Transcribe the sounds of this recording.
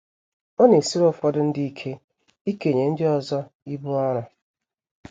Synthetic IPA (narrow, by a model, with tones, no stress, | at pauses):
ɔ˦ne˨si˦ɾo˦˨fɔ˦dʊ˦n̩˦di˦i˦kʰe˦ | i˦ke˨ɲe˨n̩˦dɪ˦ɔ˦zɔ˦i˦bu˦ɔ˦ɾʊ˨